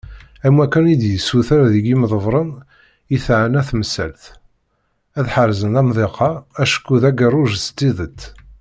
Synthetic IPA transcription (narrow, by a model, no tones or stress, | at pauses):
æmwækːænid̪jəsːuθaɾðəɡiməðˤəvɾˤən | iθʕənæθməsælθ | æðħaɾzənæmðˤeqɑæʃkːuðæɡərˤːʊʒst̪ːiðət̪ː